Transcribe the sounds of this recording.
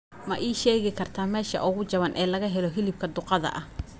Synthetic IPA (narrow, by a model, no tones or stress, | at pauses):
mɐʔiːʃɛːɣɪkʰɐrt̪ʰaːmɛːʃɐ̰ʔʊɣʊt͡ʃɐβɐnʔɛːlɐɣɐɦɛlɔɦɪlɪb̚kʰɐd̪ʊqɑðɐ̰ʔɐh